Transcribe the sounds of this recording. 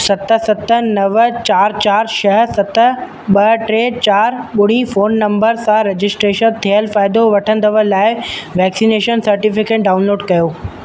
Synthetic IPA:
sɐt̪ə̆sɐt̪ə̆nɐʋət͡ɕaːɾt͡ɕaːɾʃɐɦəsɐt̪ə̆ | ɓɐʈɾeːt͡ɕaːɾɓʊɽ̤̃ifoːnːɐ̃mbəɾsãɾed͡ʑɪsʈɾeːʃənt̪ʰiəlfaːɪd̪oʋɐʈʰə̃nd̪əʋəlaːɪʋɛːksineːʃənsɐɾʈɪfɪkeːʈ̚ɖaːʊnloːɖkɐjoː

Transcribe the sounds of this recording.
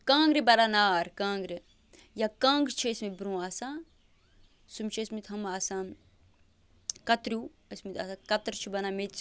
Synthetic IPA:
kãːŋɡɾibɐɾaːnaːɾkãːŋɡɾi | jakãːŋɡt͡ʃʰiɐsmibɾũːaːsãː | sumt͡ʃʰiɐsmit̪ʰɦɐmaːsãː | kɐt̪ɾu | ɐsmit̪ʰa̰ːsãkɐt̪ɾt͡ʃʰibɐnaːme

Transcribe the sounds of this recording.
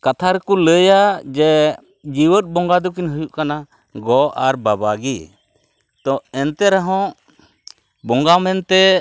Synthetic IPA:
kat̪ʰaɾɛkɔləjad͡ʒɛ | d͡ʒiwət̚ˀbɔŋɡad̪ɔkinɦəjuʔkana | ɡɔʔaɾbabaɡi | t̪ɔɛnt̪ɛɾaɦɔ̃ʔ | bɔŋɡamɛnt̪ɛ

